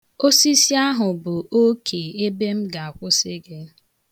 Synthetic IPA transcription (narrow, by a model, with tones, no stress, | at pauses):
o˦si˦si˦a˦ɦʊ˨bʊ˨ʔo˦kʰe˨e˦be˦m̩˦ɡa˨a˨kʷʊ˦sɪ˦ɡe˦